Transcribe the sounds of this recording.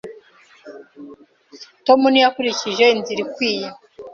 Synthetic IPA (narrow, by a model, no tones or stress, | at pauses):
to̞munijakuɾiciʒe̞inziɾikwiːje